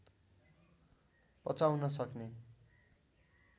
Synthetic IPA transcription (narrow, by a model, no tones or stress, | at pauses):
pʌt͡sawnʌsʌkne